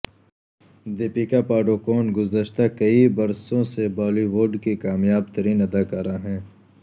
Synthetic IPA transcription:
d̪eːpikapaːɖokoːnɡʊzəʃt̪akɐibɐɾsõsebaːliʋoːɖkikaːmjaːb̚t̪ɐɾiːnɐd̪aːkaɾaɦɛ̃ː

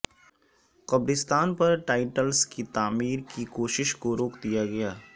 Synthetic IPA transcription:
qɐbɾɪst̪aːnpɐɾʈaːɪʈəlskit̪aːmiːɾkikoːʃɪʃkoɾoːkd̪ijaɡɐjaː

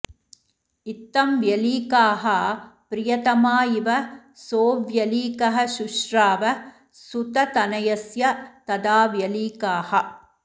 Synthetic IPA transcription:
it̪ːɐmʋjɐliːkaːɦɐpɾɪjɐt̪ɐmaːjiʋɐ | soːʋjɐliːkɐɦɐʃuʃɾaːʋɐ | sut̪ɐt̪ɐnɐjɐsjɐt̪ɐd̪aːʋjɐliːkaːhɐ

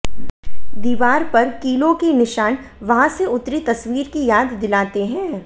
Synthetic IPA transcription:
d̪iːʋaːɾpɐɾkiːlõkinɪʃaːnʋɐɦãseʊt̪ɾit̪ɐsʋiːɾkijaːd̪ːɪlaːt̪eɦɛ̃ː

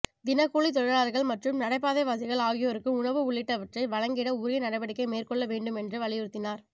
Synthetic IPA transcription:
d̪ɪnɐkuːɭit̪ɔɻɐɾaːɾɣɐɭmɐʈrɯmnɐɽɐɪp̬ːaːðɐɪʋaːsɐɪɣɐɭaːɣɪjoɾɯkːɯʊɳɐʋɯʊɭːɪʈːɐʋɐʈrɐɪʋɐɻɐŋɡɪɽɐʊɾɪjɐnɐɽɐɪʋɐɽɪkːɐɪmeːrkɔɭːɐʋeːɳɖɯmɛndrɯʋɐɭɪjɪɾɯt̪ːɪnaːɾ

